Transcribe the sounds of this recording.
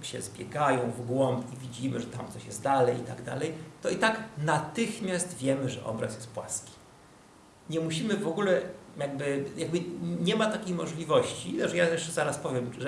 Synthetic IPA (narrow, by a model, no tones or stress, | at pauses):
ɕɛ̰zbʲjɛ̰ɡajɔ̃w̃vɡwɔmpivʲid͡ʑimɘʐɛt̪a̰mt̪sɔɕjɛst̪d̪alɛjit̪aɡd̪a̰lɛjt̪ɔit̪aknat̪ɘxmʲjast̪vʲjɛmɘʐɛ̰ʔɔ̰bɾa̰sjɛst̪̚pwa̰skʲi̥ | ɲɛmuɕimɘvɔɡulɛjaɡ̚bɘjaɡ̚bɘɲɛmat̪akʲejmɔʐlʲivɔɕt͡ɕiɛʐɛjajɛʂt͡ʂɛzaɾaspɔvʲjɛmʐɛ